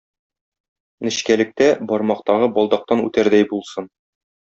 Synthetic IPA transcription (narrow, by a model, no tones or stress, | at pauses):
nɘ̆ɕkælɘ̆k̚t̪æbɒɾmɑqt̪ɑʁɤbɒlˠd̪ɑq̚t̪ɑnʉ̰t̪æɾd̪æjbulˠsɤn